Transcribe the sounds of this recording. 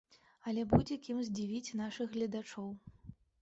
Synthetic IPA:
ɐlʲɛbud͡zʲɛkʲimzʲd͡zʲivʲit͡sʲnaʂɨɣɣlʲɐd̪at͡ʂɔw

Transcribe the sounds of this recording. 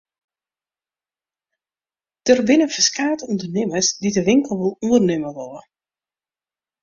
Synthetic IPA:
d̥ərbɪnəfəskaːtundərnɪməsdidəʋɪŋkəlˠʋolˠunərnɪməʋɔlˠə

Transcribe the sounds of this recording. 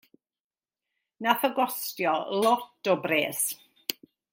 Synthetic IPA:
naθəɡwɔstjɔlɔtɔbreːs

